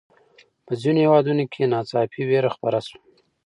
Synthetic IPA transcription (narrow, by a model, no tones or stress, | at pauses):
pəzinohewɑd̪unokʰenɑt͡sɑpiweɾaxpaɾasu